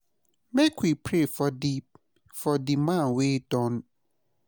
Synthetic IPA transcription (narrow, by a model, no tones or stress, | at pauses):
mekwipʰɾefɔdip̚ | fɔdimãwedɔ̃n